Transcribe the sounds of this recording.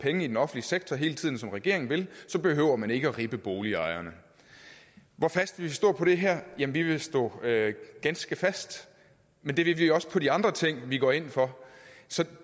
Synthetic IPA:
pʰeŋəidenɒ̽fn̩liəseɡ̥̚t͡sʰɒɦe̝ːlət͡sʰið̰ˠn̩sɒ̽mʁɛɡ̥e̝̰ɐeŋn̩ʋe̝lsɒ̽b̥e̝ɦø̰ʊ̰ɐmæne̝ɡ̥əɒʁiːb̥əb̥o̝ːliɑ̈ɪɐnə | ʋɒfæsd̥ʋiʋesd̥ɔ̰̽ːpʰɒ̽ɾe̝ɦɛɐ̰jæmnʋiʋe̝sd̥ɔ̰̽ːøɡ̥ænsɡ̥əfæsd̥ | mend̥e̝ʋe̝ʋiɒ̽sə̥pʰɒ̽ɾiɑ̈nd̥ʁɐt͡sʰeŋ̰ʋiɡ̥ɒ̰ːe̝n̰fɒ̽sɒ̽

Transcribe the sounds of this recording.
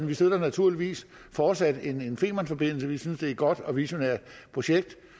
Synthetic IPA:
nʋisø̝ð̰ˠɐnæt͡sʰuɐliʋḭːs | fɒːd̥sæd̥e̝ne̝nfe̝̰ːmænfɒ̽b̥e̝n̰l̩səʋisynsd̥e̝æɡ̥ɒ̽d̥ɒ̽ʋiɕo̝neɐ̰d̥pʰʁo̝ɕeɡ̥̚d̥

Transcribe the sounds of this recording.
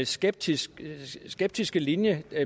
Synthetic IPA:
lsɡ̥eb̥̚dʰissɡ̥eb̥̚d̥isɡ̥əlinjə

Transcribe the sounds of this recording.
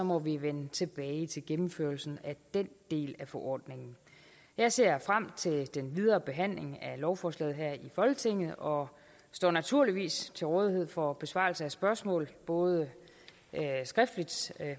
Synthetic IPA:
ɒ̽mɒ̽ʋiʋenət͡sʰe̝b̥ɛːɪt͡sʰe̝lɡ̥emm̩fø̰ɐlsn̩æd̥en̰d̥e̝̰ːlæfɒʔɒ̰ːd̥ne̝ŋn̩ | jɑ̈ɪse̝̰ɐ̰fʁam̰t͡sʰe̝ld̥enʋið̞ˠɐːb̥e̝ɦæn̰le̝ŋælɒʊfɒːslɛ̰ːð̞̩ˠɦæɐ̰ifɒ̽lɡ̥ət͡sʰe̝ŋ̰ð̞̩ˠɒ̽ | sd̥ɒ̰ːnæt͡sʰuɐliʋḭːst͡sʰe̝lʁɔ̽ːð̞ˠiɦe̝ð̰ˠfɒ̽b̥e̝sʋɑ̰̈ːlsəæsb̥ɶɐsmɔ̰̽ːlb̥ɔ̽ːð̞ˠə | sɡ̥ʁɛfd̥lid̥

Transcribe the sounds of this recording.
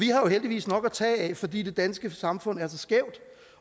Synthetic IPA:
ʋihɑ̈jo̝ɦeld̥iʋḭːsnɒ̽ɡ̥æt͡sʰɛ̰ːɛfɒ̽d̥ḭːd̥e̝d̥ænsɡ̥əsɑ̈mfɔ̽n̰æɐsɒ̽sɡ̥ɛʊ̰d̥

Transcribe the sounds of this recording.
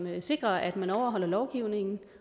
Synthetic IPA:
mse̝ɡ̥ʁɐʔæd̥mænɒʊ̰ɐɦɒ̽l̰ɐlɒʊɡ̥iʊ̰ne̝ŋn̩

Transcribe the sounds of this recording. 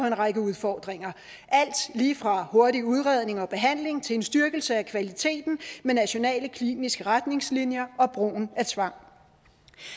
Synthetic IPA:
enʁɑɡ̥əuð̞ˠfɒːd̥ʁeŋɐ | ʔæl̰d̥liːfʁɑ̈ho̝ɐdiuð̞ˠʁɛð̞ˠne̝ŋɒ̽b̥e̝ɦæn̰le̝ŋt͡sʰe̝le̝nsd̥yɐɡ̥l̩səækʰʋælit͡sʰe̝̰ːd̥n̩menæɕo̝nɛ̰ːləkʰlḭːnisɡ̥əʁad̥ne̝ŋslinjɐɒ̽b̥ʁo̝̰ːn̩æɐt͡sʰʋɑ̈ŋ̰

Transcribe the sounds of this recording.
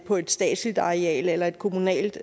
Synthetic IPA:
pʰɒ̽e̝d̥sd̥ɛ̰ːd̥slid̥ɑ̈ʁeɛ̰ːlelɐe̝d̥kʰo̝munɛ̰ːld̥

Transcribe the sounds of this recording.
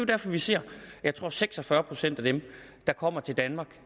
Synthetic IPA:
ejod̥æɐfɒ̽ʋise̝ɐ̰jɑ̈ɪt͡sʰʁo̝ɐ̰seɡ̥sɒ̽fɶɐpʰʁo̝sen̰d̥æd̥em | d̥ɑ̈kʰɒ̽m̰ɐt͡sʰe̝ld̥ænmɑ̈ːɡ̥

